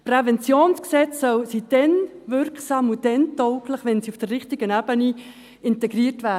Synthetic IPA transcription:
prɛvɛnt͡sjoːnsksɛt͡sːœlsid̥ɛnvʏɾksɑːmud̥ɛntɔʊkləχʋɛnsiufd̥ərːɪχtɪɡənabəni | ɪntɛɡriəɾtvæː

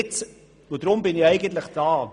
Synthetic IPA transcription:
t͡s | vodɾʊmbɪnɪɛɪɡəntləχd̥ɑː

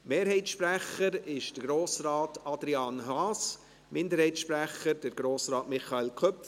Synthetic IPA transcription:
meːɾhɛɪtʃpɾæχəɾɪʃdəɡɾoːsɾɑːtɑd̪ɾiɑːnɦɑːs | mɪndəɾhɛɪtsʃpɾæχəɾd̥əɾɡ̥ɾoːsɾɑːtmɪχɑelkʰœp

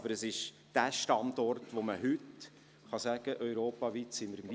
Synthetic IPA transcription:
bəɾəsɪʃ | d̥æːʃtɑndɔrtʋoməhʏt | χɑsæɡ̥əʔœʏɾoːpɑʋiːt̪sɪməɾmvi

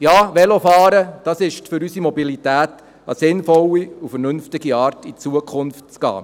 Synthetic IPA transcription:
jɑːʋɛlofɑːɾəd̥ɑːsɪʃtfʏɾysimɔbilitæːt | ɑ̰sɪnfɔlːiufəɾnɵnftɪɡiɑːrtit͡suəkʰχʊnftt͡skɑ̰ː

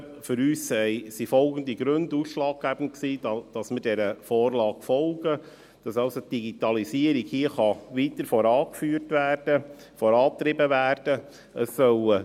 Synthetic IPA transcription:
fʏɾyːssɛɪsifɔlɡəndiɡɾɵnduːsʃlɑːk̚ɡ̥æbən̩t̚ksiːdɑd̥ɑsmɪɾdɛɾəfoːɾlɑːɡ̥fɔlɡə | d̥ɑsɑlsotd̥iɡitɑlisiəɾikhiəχɑʋiːt̪əɾfɔɾɑːkfyːɾtʋæːɾd̥ə | fɔɾɑːp̚t̪ɾɪbəʋæːɾd̥ə | əsːœl

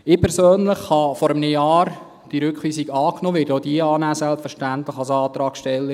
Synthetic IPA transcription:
ɪːpʰɛɾsøːnləχhɑfɔɾəmnejɑːɾ | d̥iɾʏkχʋiːsiɡɑːknoːʋɪːɾtod̥iəɑːnæːsɛlpfəʃtænt̪ləχɑlsɑːt̪ɾɑːɡʃtɛlːə

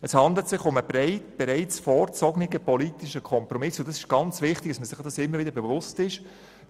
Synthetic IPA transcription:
əshɑnd̪l̩tsɪχʊməbɾɛɪt̚b̥ɛɾɛɪt͡sfɔːɾt͡sɔɡnɪɡəpɔlitɪʃəkʰχɔmpɾɔmɪsoldɑsɪ̥ʃɡ̥ɑnt͡svɪχtɪɡ̥̚ɑsməsɪχdɑsɪmːəɾvɪdəɾbɛvʊstɪʃ

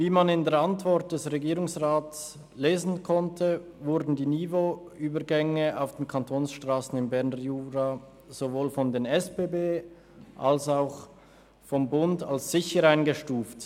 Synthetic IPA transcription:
viːmanɪndeːɐantv̥ɔʁt̚d̥ɛsʁeɡiːʁʊŋsʁaːts | leːzn̩kʰɔntʰə | vʊʁdn̩diːniːvo | yːbəɡɛŋəaʊfd̥eːnkʰantʰoːnsʃtʁ̥aːsn̩ɪnbɛʁnəjuːʁa | z̥ovoːlfɔndeːnɛspeːbeː | ʔalsaʊx | fɔmbʊndalsz̥ɪçəɾaɪnɡəʃtuːft

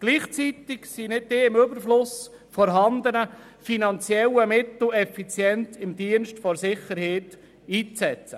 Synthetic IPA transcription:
ɡ̥liːχt͡sit̪ɪksinɪd̚deːɪmʏbəɾflʊs | fɔɾɦɑnd̪ənə | finɑnt͡sjɛlːəmɪt̪l̩ɛfit͡sjɛnt̪ɪmd̪iənʃtfɔɾsɪχəɾheːt̪ | iːt͡sɛt͡sə

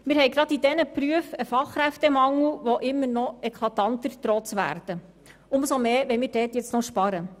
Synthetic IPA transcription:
mɪːɾɦɛjɡɾɑdidɛnəpɾyəfəfɑχːɾæftɛmɑŋl̩ʋɔʔɪmːənɔɛkʰlɑt̪ɑnt̪əɾt̪ɾɔt͡sʋæ̰ːɾd̥̪ə | ʊmsɔmeːʋɛɪmɪːɾdɛːtjɛt͡snɔʃpɑɾə

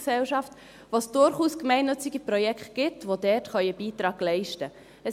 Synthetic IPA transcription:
sɛlʃɑft | ʋosd̥ʊɾχuːskmɛɪnːʏt͡sɪɡipɾɔjɛkχt̚ɡ̥ɪtʋodɛtχœʏəbiːtɾɑːɡlɛɪʃtə | ə

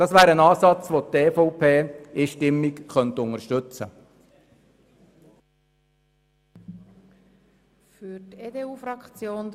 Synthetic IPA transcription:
dɑsʋæːɾənɑːsɑt͡sʋoteːfɔʊpʰeːɪʃtɪmːikχœnt̪ʊŋəɾʃtʏt͡sə̰ | fyɾteːdeːuːfɾɑkt͡sjoːn

